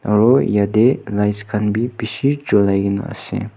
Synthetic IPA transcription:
ɾojad̪elajskʰanbibiʃid͡ʒolajɡina̰sḛ̃

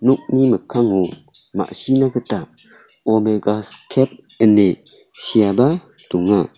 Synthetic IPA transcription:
nuk̚niməkʰaŋu | ma̰ʔsinakʰəta | omeɡaskʰep̚ | əne | sijaba | duŋa

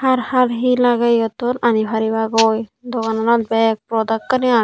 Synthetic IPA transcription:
haɾhaɾɦilaɡajɔt̪ɔnanibʱaɾiβaɡojd̪ɔkanɔnɔtbɛk̚pɾɔd̪akːania

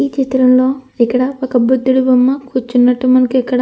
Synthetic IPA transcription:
iːt͡ʃit̪ɾɐmlo̞ːɛkːɐɽɐɐkɐbɾud̪ʱːiɽubɐmːɐkʰuːɾt͡ʃːunːɐʈːumɐnɐkuɛkːɐɽ

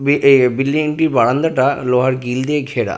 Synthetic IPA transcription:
bibilːieɳʈiɾbaɽand̪aʈaloɦaɾɡild̪eɡʱeɾa̰

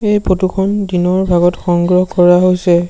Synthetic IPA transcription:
ejpotukʰɔndinɔɹbʱaɡɔtxɔŋɡɹɔhkɔɹaɦojsɛ

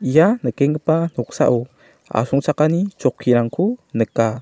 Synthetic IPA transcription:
ijanəkɛŋəpan̥ɔk̚sa̰ʔu | a̰suŋt͡sakanit͡ʃɔkʰːiɾaŋkʰunəka

